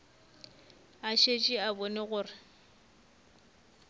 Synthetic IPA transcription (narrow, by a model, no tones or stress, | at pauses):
aʃet͡ʃʼɪabɔneɣʊːrɪ